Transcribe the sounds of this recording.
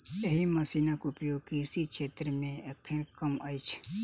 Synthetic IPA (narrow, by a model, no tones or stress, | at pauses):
eɦimɐsinakʊpjokisikʃʰeːt̪ɾəmẽekʰẽkəmajt͡ʃʰ